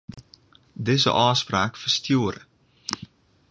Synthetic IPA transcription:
dɪzə̰ʔɑːspraːkfərstjuəɾə

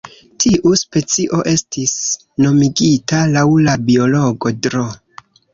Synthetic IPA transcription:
tʰiʔuspe̞t͡siʔo̞ʔe̞stis | no̞miɡitalawlabio̞lo̞ɡo̞dɾo

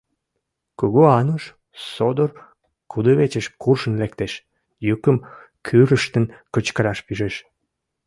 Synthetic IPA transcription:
kuɣoɑnuʃ | sod̪ər | kud̪əβet͡ɕəʃkurʃə̆nlekt̪eʃ | jukəm | kʰyɾəʃt̪ənkət͡ɕkəɾɑʃpyʒeʃ

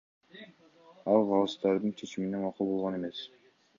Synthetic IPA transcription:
ɑlˠʁɑlˠɯst̪ɑɾd̪ɯnt͡ʃʰe̞t͡ʃiminemɑqulˠbolˠʁɑne̞me̞s

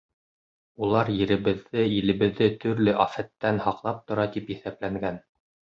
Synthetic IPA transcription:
ulˠɑɾjɘ̆ɾɘ̆βɘ̆ðːɘilɘ̆βɘ̆ðːɘt̪ɵ̆ɾlɘʔɑfæt̪ːænhɑqlˠɑp̚t̪ŏɾɑt̪ipjɘ̆θæplæŋɡæn

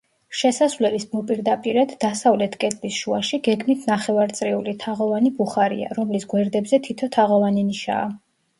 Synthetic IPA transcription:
ʃɛsasvlɛlismɔpʼiɾd̪apʼiɾad̪ːasavlɛt̪ʰkʼɛd̪ʰʼlisʃuaʃiɡɛɡmit̪ʰnaχɛvaɾt̪sʼɾiulit̪ʰaʁɔvanibuχaɾḭa̰ɾɔmlisɡwɛɾd̪ɛbzɛt̪ʰit̪ʰɔt̪ʰaʁɔvaniniʃa̰ː

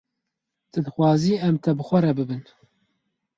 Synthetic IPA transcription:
t̪ʰɨd̪ɨxʷwɑːziːɛmt̪ʰɛbɨxʷɛɾɛbɨbɨn

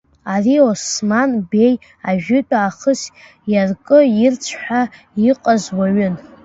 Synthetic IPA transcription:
ariosmanbe̞j | aʒᶣʊtʼaːχəs | jarkʼɨɪrt͡sʷʰħʷᶣa | iqʼazwaɥʏn

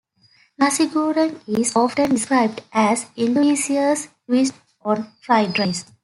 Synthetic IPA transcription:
masiɡoːɾə̃nizɔːfʈə̃nɖɪskɾaɪb̚ɖʔæzĩluiːsiəs | ʋisʈ | ɔ̃ːnflaɪɖɾaɪs

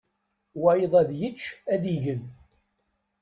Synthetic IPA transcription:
wajəðˤæðjət͡ʃːæd̪iʝən

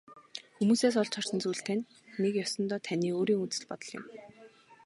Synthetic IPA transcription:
xumuːseːs̬ɔɮt͡ɕʰɔr̥sɞ̆nt͡suːɬt̪ʰænː | ekjɔsɞ̆nt̪ɔːt̪ʰæniːoːɾiːŋut͡sɘ̆ɮpɔt̪ɞ̆ɮjə̰̆m

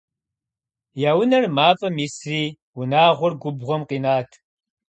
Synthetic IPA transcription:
jaːwʊnɐrmaːfʼɐmisriː | wʊnaːʁʷʊrɡʷʊbʁʷɔmqiːnaːtʰ

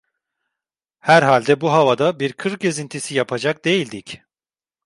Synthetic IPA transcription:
hæɾɦalʲd̪ɛbuɦavad̪abiɾkʰɯɾɟe̞zint̪ʰisijapʰad͡ʒak̚d̪e̞jilʲd̪ic

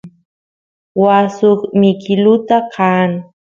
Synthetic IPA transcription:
wasokmɪkɪlʊt̪akʰaːŋ

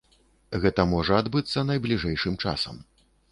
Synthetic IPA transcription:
ɣɛt̪ɐmɔʐɐad̪bɨt̪sːɐnɐjblʲiʐɛjʂɨmt͡ʂa̰sɐ̰m

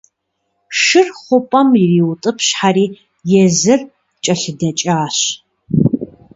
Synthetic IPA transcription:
ʃɨrχʷʊpʼɐmjɪriːwʊtʼɨpʰɕħaɾiː | jɛzɨr | t͡ʃʼɐɬɨdɐt͡ʃʼaːɕ

